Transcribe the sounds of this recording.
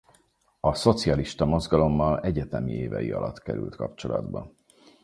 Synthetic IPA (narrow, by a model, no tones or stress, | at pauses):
ɒso̞t̪siɒliʃt̪ɒmo̞zɡɒlo̞mːɒlɛɟɛt̪ɛmieːvɛjiɒlʔɒt̪kɛɾʉ̰lt̪kɒpt͡ʃo̞lɒ̰d̪bɒ